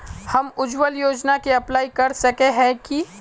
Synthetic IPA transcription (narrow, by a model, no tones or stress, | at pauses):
hɐmʊd͡ʒwəljoːd͡ʒnakeɐplaːikɐɾsɐkeɦɛ̃ki